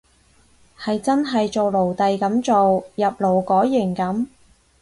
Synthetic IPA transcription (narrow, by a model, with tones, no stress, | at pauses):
hɐ˨jt͡sɐ˥nɦɐ˨jt͡so˨wlo˨˩wt̪ɐ˨jkɐ˨˥mt͡so˨wjɐ˨p̚lo˨˩wkɔː˨˥jːɪ˨˩ŋkɐ˨˥m